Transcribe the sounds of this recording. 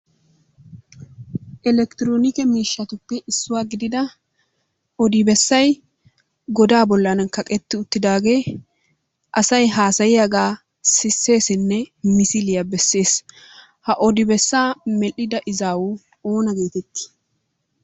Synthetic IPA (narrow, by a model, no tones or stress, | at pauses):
ʔɛlɛkt̪ɪɾoːnɪkɛmiːʃːɐt̪ʊpːɛʔɪsːʊwaːɡɪd̪ɪd̪ɐ | ʔɔd̪ɪbɛsːɐj | ɡɔd̪aːbɔlːɐnɐnkɐkʼɛt̪ːɪʊt̪ːɪd̪aːɡe̞ː | ʔɐsɐjɦaːsɐjɪjɐɡaː | sɪsːe̞ːsɪnːɛmɪsɪlɪjabɛsːe̞ːs | hɐʔɔd̪ɪbɛsːaːmɛlːɪd̪ɐʔɪzaːwʊ | o̞ːnɐɡe̞ːt̪ɛt̪ːɪ̥